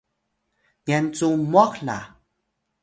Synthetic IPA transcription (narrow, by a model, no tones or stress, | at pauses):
ɲɛnt͡sumɔkla̰